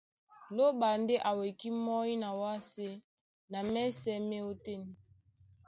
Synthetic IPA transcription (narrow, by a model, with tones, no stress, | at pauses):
lo˦ɓa˨nde˦ʔa˨we˨ki˦mɔ˦i˦na˨wa˦se˦ | na˨mɛ˦sɛ˦me˦o˦te˦ni˨